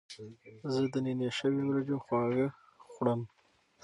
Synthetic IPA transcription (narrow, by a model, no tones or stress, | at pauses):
zəd̪əninjaʃəwimɾad͡ʒoxwɑɣə | xʷɽəm